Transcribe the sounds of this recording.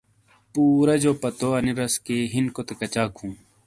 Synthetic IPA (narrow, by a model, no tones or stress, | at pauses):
puːɾɐd͡ʑoːpɐt̪oɐniɾɐskeɦinkot̪ekɐt͡ɕaːkhũː